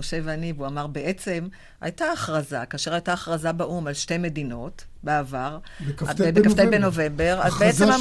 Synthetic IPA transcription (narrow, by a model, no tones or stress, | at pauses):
oʃevanivuamaʁbeʔe̞t͡se̞m | a̰jtaːχʁaza̰kaːʃe̞ʁajtaːχʁazabaʔumalʃte̞jme̞dino̞tbeavaʁaebekaft̪ejbeno̞vembe̞ʁazbeet͡sema